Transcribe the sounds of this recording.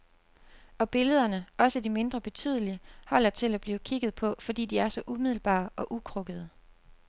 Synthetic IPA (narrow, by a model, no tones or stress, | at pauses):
ɒ̽b̥e̝ləð̞ˠɐnəɒ̽səd̥ime̝nd̥ʁɐb̥e̝t͡sʰy̰ð̞̰ˠəlihɒ̽l̰ɐt͡sʰe̝læb̥liːʊkʰiɡ̥ð̩ˠpʰɒ̽fɒ̽dḭːd̥iæɐsɒ̽ʔumið̞̰ˠl̩b̥ɑ̰̈ːɒ̽ʔukʰʁɔ̽ɡ̥əð̞ˠə